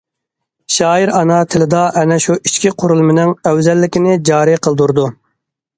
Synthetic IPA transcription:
ʃɑːiɾɑnɑt̪ʰɪlɪd̪ɑʔɛnɛʃuʔit͡ʃkʲiqʰʊɾulˠmɪnɪŋœwzɛlːɪkʲinɪd͡ʒɑːɾiqʰəlˠd̪uɾd̪u

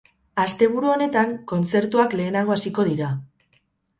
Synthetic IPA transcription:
ast̪e̞β̞uɾuo̞ne̞t̪aŋko̞nt͡se̞ɾt̪uakle̞ːnaɣ̞o̞asiko̞ð̞iɾa

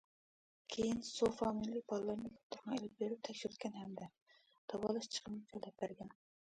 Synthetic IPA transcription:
kʲʰejinsofɑmilibɑlˠːɑɾmik̪ʲʰo̥t̪ʰːʊɾʁɑ̃elɪp̚beɾyp̚t̪ʰɛkʲʃyɾyt̪kʲɛnɦɛmd̪ɛ | d̪̥ɑwɑlˠɑʃt͡ʃʰə̥qənɨkʰɛld̪ɛp̚bæɾɡʲɛn

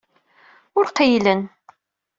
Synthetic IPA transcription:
ʊɾqijlən

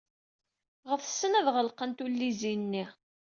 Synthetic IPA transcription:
ʁəθə̥sːənæðʁəlqənt̪ulːizinːi

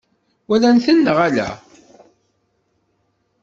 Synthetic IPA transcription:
wælænθənːəʁælæ̰

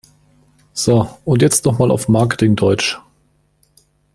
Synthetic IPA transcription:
z̥oʔʊntjɛt͡stnɔχmaːlʔa̰ʊfmaɐkə̥tʰɪŋdɔʏt͡ʃ

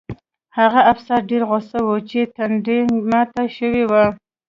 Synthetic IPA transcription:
haɣaafsaɾɖeɾɣʊsawot͡ʃet̪aɳɖimat̪aʃəwewa

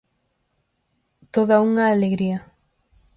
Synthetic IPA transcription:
t̪oðauŋaːleɣɾiɐ

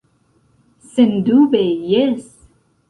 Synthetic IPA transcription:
send̪ubejes

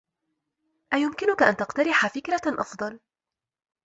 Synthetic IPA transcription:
ʔajʊmkɪnʊkaʔant̪ɑqt̪ɑɾɪħafɪkɾaʔɑ̰fd̪ˤɑl

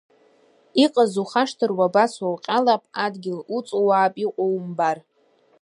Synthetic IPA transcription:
iqʼazuχaʂtʰɨrwabaswawqʲʼalapʼadɡʲɪlut͡sʼowaːpʼiqʷʼowmbar

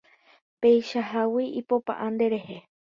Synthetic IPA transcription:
pe̞jʃaɦawiipo̞pa̰ʔand̪e̞ɾe̞he

